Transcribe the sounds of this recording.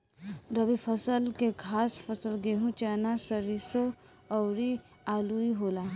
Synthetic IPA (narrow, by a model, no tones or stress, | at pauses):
ɾəʋipʰəsəlkekʰaːspʰəsəlɡeɦũt͡ʃɛːnasəɾiso | əwɾi | aluiɦola